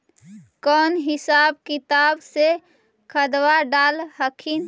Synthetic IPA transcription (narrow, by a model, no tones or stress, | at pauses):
kɔːnɦɪsaːb̚kit̪aːbse | kʰəd̪waɖaːlɦəkʰin